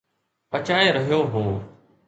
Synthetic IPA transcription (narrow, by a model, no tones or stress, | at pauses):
pət͡ʃaːeːɾəɦijoːɦũː